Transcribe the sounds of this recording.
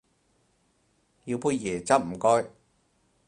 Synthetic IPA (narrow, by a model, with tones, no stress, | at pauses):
ji˧wpuː˧jjɛː˨˩t͡sɐ˥p̚m̩˨˩kɔː˥j